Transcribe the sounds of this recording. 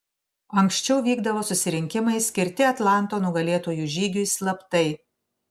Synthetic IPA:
ɐŋksʲt͡ʃʲɛʊʋʲiːɡd̪ɐʋoːsʊsʲɪɾʲɪŋʲkʲɪmɐɪsʲkʲɪɾʲt̪ʲɪɐt̪lˠɑˑnˑt̪oːnʊɡɐlʲeːt̪oːjʊʒʲiːɡʲʊɪslˠɐpt̪ɐɪ

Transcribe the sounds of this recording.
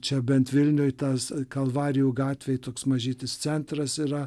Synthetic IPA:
t͡ʃʲɛbʲɛnt̪ʋʲɪlʲnʲʊːjt̪ɐskɐlˠʋɑːɾʲɪjuːɡɑːt̪ʲʋʲeɪt̪oːksmɐʒʲiːt̪ʲɪst̪sʲɛnt̪ɾɐsiːɾɐ

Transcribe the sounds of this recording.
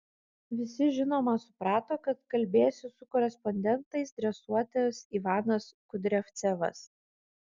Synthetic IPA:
ʋʲɪsʲɪʒʲɪnoːmɐsʊ̥pɾɑːt̪oːkɐt̪kɐlʲbʲeːsʲɪsʊkɔɾʲɛspɔnʲd̪ʲɛnt̪ɐɪsd̪ʲɾʲɛsuɔt̪ʲɐsiʋɑːnɐskʊd̪ʲɾʲɛft̪sʲɛʋɐ̰s

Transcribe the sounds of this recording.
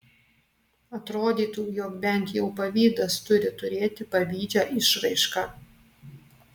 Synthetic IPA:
ɐt̪ɾoːd̪ʲiːt̪uːjoːkbʲɛnʲt̪jɛʊpɐʋʲiːd̪ɐst̪ʊɾʲɪt̪ʊɾʲeːt̪ʲɪpɐʋʲiːd͡ʒʲæːʔɪʃɾɐɪʃkɑ

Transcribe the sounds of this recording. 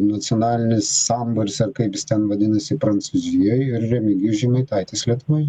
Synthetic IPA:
nɐt̪sʲɪonɑːlʲɪnʲɪsːɑmbʊlʲɪsɐrkɐɪpjɪst̪ʲɛnʋɐd̪ʲɪnɐsʲɪpɾɐnsuzʲɪjojɪɾrʲɛmʲɪɡʲiʒʲɪmɐɪt̪ɐɪt̪ʲɪslʲiɛt̪ʋoːj

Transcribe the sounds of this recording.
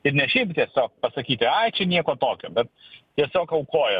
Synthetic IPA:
ɪɾnʲɛʃʲɛɪpt̪ʲiɛsʲoːk̚pɐsɐkʲiːt̪ʲɪɐɪt͡ʃʲɛnʲiɛkoːt̪oːkʲo̰ːbʲɛt̪̚t̪ʲiɛsʲoːkɐʊkoːjɛ

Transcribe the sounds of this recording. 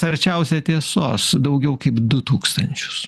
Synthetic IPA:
sɐɾʲt͡ʃʲɛʊsʲɛt̪ʲiɛsoːsd̪ɐʊɡʲɛʊkɐɪpd̪ʊt̪uːkst̪ɐnʲt͡ʃʲʊ̥s

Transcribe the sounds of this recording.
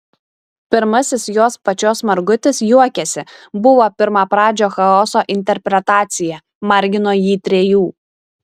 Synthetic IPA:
pʲɪɾmɐsʲɪsjoːspɐt͡ʃʲoːsmɐɾɡʊt̪ʲɪsjuɔkʲɛsʲɪbʊʋoːpʲɪɾmɑːpɾɑːd͡ʒʲoːxɐɔsoːʔɪnʲt̪ʲɛɾʲpʲɾʲɛt̪ɑːt̪sʲɪjɛ | mɐɾʲɡʲɪnoːjiːt̪ʲɾʲɛjuː

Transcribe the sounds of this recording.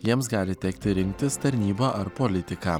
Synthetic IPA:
jiɛmsɡɑːlʲɪt̪ʲɛkt̪ʲɪɾʲɪŋk̚t̪ʲɪst̪ɐɾʲnʲiːboːʔɐɾpɔlʲɪt̪ʲɪkɑː

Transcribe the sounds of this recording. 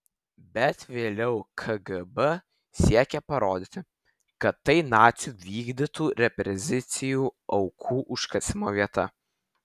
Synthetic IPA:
bʲɛt̪ʋʲeːlʲɛʊkʰɐɡɐbə | sʲiɛkʲɛpɐɾoːd̪ʲɪt̪ʲɪ | kɐt̪ːɐɪnɑːt̪sʲjuːʋʲiːɡd̪ʲɪt̪uːɾʲɛpʲɾʲɛzʲɪt̪sʲɪjuːɐʊkʰuːʔʊʃkɐsʲɪmoːʋʲiɛt̪ɐ

